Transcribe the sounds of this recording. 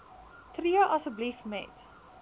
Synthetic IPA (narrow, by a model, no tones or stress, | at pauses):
triəʔɐsəblifmɛ̰t